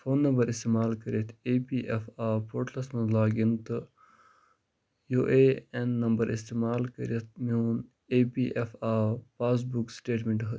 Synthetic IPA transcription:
foːnːɐmbɐɾist̪eːmaːlkɐɾet̪ʰepiːʔefaːpoːɾʈlɐsmɐnlaːɡint̪ɨ | joʔeːenːɐmbɐɾʔḭst̪eːmaːlkɐ̰ɾet̪̚ʰmiuːn | eːpiːʔefaːpaːs̬buksʈeːʈmeɳʈɦɐ

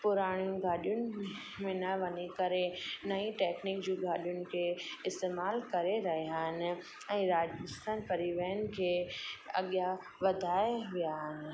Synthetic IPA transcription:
pʊɾaːɽ̃jũɡʱaːɗijʊnɪ̆ | mẽnɐʋɐɲekɐɾenɐĩʈeːknɪkd͡ʑoːɡʱaːɗijʊnɪ̆kʰeɪst̪eːmaːlkɐɾeɾɐɦeaɦɪnɪ̆ | ɛ̃ːɾaːd͡ʒst̪ənpɐɾiʋɐjənɪ̆kʰeːɐ̰ɠja | ʋɐd̪ʱaːeʋijaɦnɪ̆

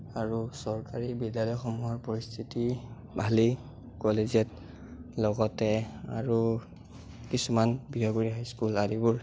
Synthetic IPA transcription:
aɹusɔɹkaɹibidjalɔjxɔmuɦɔɹpɔɹist̪ʰiti | bʱali | kɔlezɛt | lɔɡɔtɛa̰ɹu | kisumanbiɦɔɡoɹiɦajskuladibuɹ

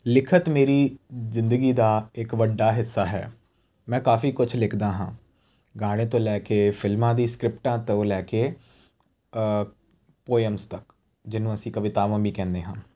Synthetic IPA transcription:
lɪkʰət̪meːɾiːzɪnd̪əɡiːd̪aːɪkʋəɖːaːɦɪsːaːɦɛ̰ː | mɛ̃ːkaːfiːkʊt͡ʃʰlɪkʰd̪aːɦã̰ː | ɡaːɽ̃ẽːt̪õːlɛːkeːpʰɪlmãːd̪iːskɾɪp̚ʈãːt̪õːlɛːkeː | poːəmst̪ək | d͡ʒɪnũːəsĩːkəʋɪt̪aːʋãːbiːkɛ̃ːnd̪eːɦãː

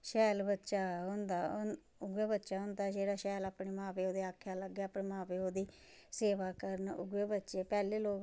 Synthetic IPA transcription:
ʃɛːlbətːʃaːɦʊ̃nd̪a | ʊɡeːbətːʃaːɦʊ̃nd̪aːd͡ʒeːɽaːʃɛːlaːpɳeːmãːpeːoːd̪eːaːkʰːjaːləɡːeːaːpɳeːmãːpeːoːd̪iː | seːʋaːkəɾənʊ̰ɡeːbətːʃeːpɛːleːloː

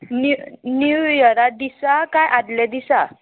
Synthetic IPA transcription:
ninujəɾad̪isakajʔad̪lad̪isa

